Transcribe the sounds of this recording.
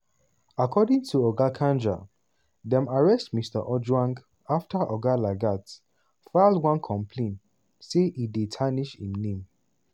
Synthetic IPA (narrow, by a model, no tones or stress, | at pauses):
akʰɔdĩŋtʰuɔɡakʰãnd͡ʒa̰ | dɛ̃maɹɛstmistə̰ʔɔd͡ʒwãŋɡ | aftəʔɔɡalaɡat | falwãnkʰɔ̃mpʰlẽnt | seidetʰaniʃḭ̃mnẽm